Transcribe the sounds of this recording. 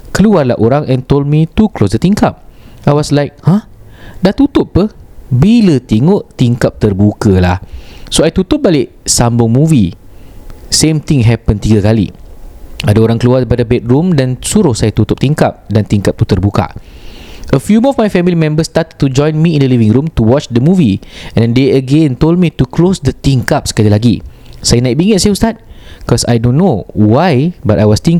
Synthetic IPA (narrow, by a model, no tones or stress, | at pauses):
kəluarla̰hʔoɾãŋʔɛ̃nt̪old̚mit̪uklosdət̪iŋkap̚ajwɔslajk̚hãhdaht̪ut̪ʊpːəhbilət̪eŋʊʔt̪iŋkap̚t̪ərbukəlahsoajt̪ut̪ʊp̚balɪʔ | sambʊŋmũvi | sẽmt̪ĩŋɦɛpə̃nt̪iɡakalḭ | adaoɾaŋkəluard̪ipadabɛt̪̚ɾumdansuɾʊhsajat̪ut̪ʊp̚t̪iŋkap̚dant̪iŋkap̚t̪ut̪ərbuka̰ | ʔəfjumɔfmajfɛmilimɛ̃mbəst̪at̪ət̪ːud͡ʒɔ̃jnmiĩndəlivĩŋɾũmt̪uwɔt͡ʃdəmuviɛ̃nndeəɡẽnt̪old̚mit̪uklosdət̪iŋkap̚sə̥kalilaɡi | sajanãɪk̚biŋət̪̚sajaust̪at̚kɔsa̰jdõnːowajbatajwɔst̪ĩŋ